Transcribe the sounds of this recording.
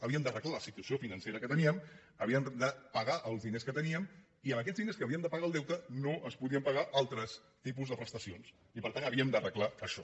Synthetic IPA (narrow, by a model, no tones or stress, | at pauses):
əβiəmd̪ərəklaləsit̪uəsiofinənseɾəkət̪əniəm | əβiəmd̪əpəɣaʔəlˠzðineskət̪əniəm | iəmək̬ɛd͡zðineskəːβiəmd̪əpəɣaːlˠd̪ɛwt̪ənoʔəspuðiəmpəɣaʔalˠt̪ɾəs | t̪ip̬uzðəpɾəst̪əsions | ipəɾt̪anəβiəmd̪ərəklaəʃɔ